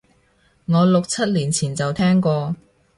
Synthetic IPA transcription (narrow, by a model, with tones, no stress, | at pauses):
ŋɔː˨˧lʊ˨k̚t͡sʰɐ˥t̚liː˨˩nt͡sʰiː˨˩nt͡sɐ˨wt̪ʰɛː˥ŋkɔː˧